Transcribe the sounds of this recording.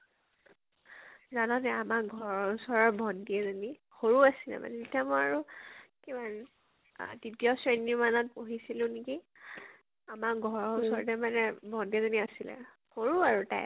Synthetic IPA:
zanɔnɛamakɡʱɔɹɔusɔɹɔɹbʱɔndiɛzoni | xoɹuasilɛ̰ma̰nɛtitiamɔaɹukiban | ditijɔsɹeniɹmanɔt̚poɦisilʊ̃niki | amakɡʱɔɹɔusɔɹtɛmanɛbʱɔndiɛzoniasilɛ̰ | xoɹuaɹuta̰j

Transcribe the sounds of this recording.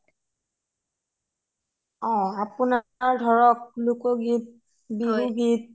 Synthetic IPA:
ɔ̃apunaɹdʱɔɹɔk̚lukɔɡip̚ | bibuɡit̚

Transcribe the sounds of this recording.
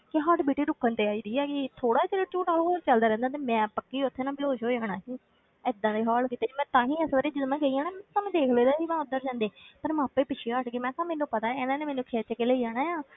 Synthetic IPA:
kɪɦaʈbiːʈiːɾʊkʰːənt̪eːaːiːd̪iːɛːkit̪ʰoːɽaːt͡ʃəɾeːt͡ʃuːʈaoːɾt͡ʃəld̪aːɾɛ̃nd̪aːt̪̬eːmɛ̃ːpəkːiːʊt̪ʰːeːnãːbɪloːʃɦoːd͡ʒaːɽaːsiː | ɪd̪ãːd̪eːɦaːlkiːt̪eːd͡ʒiːmɛ̃ːt̪ãːɦĩːəsʋəːɾeːd͡ʒɪt̪mɛ̃ːɡəiːaːnaːmɛ̃ːt̪aːmẽːd̪eːkʰleːd̪aːd͡ʒiːmɛ̃ːʊd̪əɾd͡ʒãːnd̪eːpəɾmãːpeːpɪt͡ʃʰiəʈɡeːmɛ̃ːt̪ãːmẽːnũːpət̪ãːeːnãːneːmeːnũːkʰeːt͡ʃəkːeːleiːaːɽaːjaː

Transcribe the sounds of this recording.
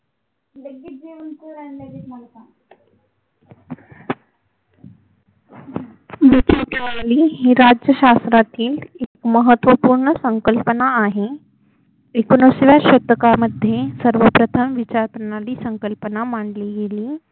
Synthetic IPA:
d̪əɡid͡ʒemunsəɾaneɾimaɳt̪a | ʋit͡ɕapənaliːɦiːɾad͡ʑjəɕast̪ɾat̪iːlekməɦət̪ʋəpuːɾɳəsəŋkəlpənaːɦe | ekunosʋaɕət̪əkaməd̪ʱjesəɾʋəpɾət̪ʰəmʋit͡ɕaɾpɾəɳaliːsəŋkəlpənamaɳɖliɡeliː

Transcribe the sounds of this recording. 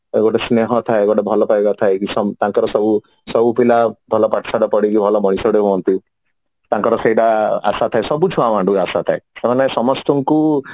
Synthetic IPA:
ḛɡoʈesneɦɔt̪ʰaeɡɔʈebʱɔlɔpajbat̪ʰaekisɔmt̪ãŋkɔɾɔsɔbu | sɔbupilabʱɔlɔpaʈʰsaɽɔpɔɽikibʱɔlɔmɔɽ̃isɔɽeɦuɔnt̪i | t̪ãŋkɔɾɔseiʈaa̰sat̪ʰaesɔbut͡ʃʰuamãɳɖuasat̪ʰaesemanesɔmɔst̪ɔŋku

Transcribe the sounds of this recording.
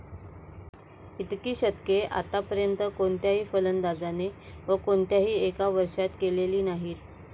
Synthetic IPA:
it̪kiːɕət̪keʔa̰t̪apəɾjənt̪əkoɳt̪jaɦiːfələnd̪ad͡zane | ʋəkoɳt̪jaɦiːekaʋəɾʂat̪keleliːnaɦiːɾ

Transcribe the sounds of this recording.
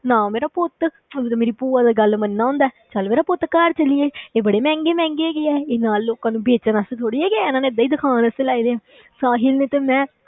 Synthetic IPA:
nãːmeːɾaːpʊt̪ː | meːɾiːpuːãːd̪aːɡəlmənːaːʊ̃ːnd̪aɛːt͡ʃalmeːɾaːpʊt̪ːkaːɾt͡ʃəlɪeːeːbəɽeːmɛ̃ːŋɡeːmɛ̃ːŋɡeːɡeɛːeːnaːlːoːkãːnũːbeːt͡ʃənast̪ʰoːɽiːɛːkenaːneːɪd̪aːid̪ɪkʰaːnəselaːiːd̪eːãː | saːɦilneːt̪emɛ̃ː

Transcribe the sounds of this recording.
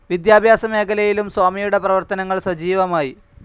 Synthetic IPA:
ʋid̪jaːbʱjaːsɐme̞ːkʰɐlɐjilumsoːmijuɽe̞prɐʋɐrt̪ɐnɐŋːɐɭswɐd͡ʑiːʋɐmaːji

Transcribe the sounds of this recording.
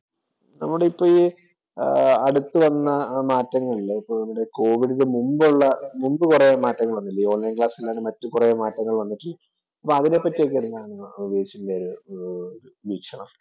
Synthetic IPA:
nɐmːuɽe̞ipːoːj | ɐɽut̪ːɨʋɐnːɐmaːtːɐŋːɐɭilːɐipːoːnɐmːuɽe̞ko̞ːʋiɽiðemumbuɭːɐmumbɨkurejɐmaːtːɐŋːɐɭʋɐnːilːɐo̞ːnɐjnkɭaːsilːaːɳɨmɐtːukurɐjɐmaːtːɐŋːɐɭʋɐnːitːilːɐ | ɐpːoɐðine̞pːɐtːijok̬ːeenːaːɳɨʋeːt͡ɕːundeoɾu | uʋiːkʂɐɳɐm

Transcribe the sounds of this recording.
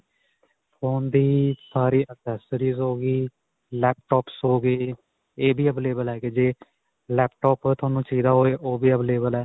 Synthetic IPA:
fʰoːnd̪iːsaːɾiːʔəkɛːsəɾiːzɦoːɡiː | lɛːp̚ʈɔːpsɦoːɡeː | eːbiːəbleːbəlɛːked͡ʒeː | lɛːpʈɔːpːt̪ʰʊaːnũːt͡ʃiːd̪aːɦoːeːʔoːbiːəbleːbəlɛː

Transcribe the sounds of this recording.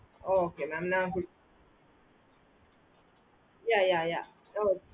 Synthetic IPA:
ookenam̩naŋ̩kʷʊ | jajaja | o

